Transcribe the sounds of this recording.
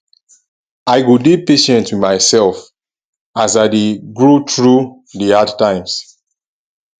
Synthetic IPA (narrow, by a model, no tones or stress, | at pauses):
aɪɡudipeʃɛ̃ntwimaɪsɛlf | azaɪdeɡɹutɹu | diadtãɪ̃ms